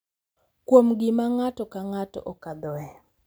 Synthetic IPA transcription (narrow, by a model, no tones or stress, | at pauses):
kwomɡɪmaŋatɔkaŋatɔ̰ʔokad̪ɔɛ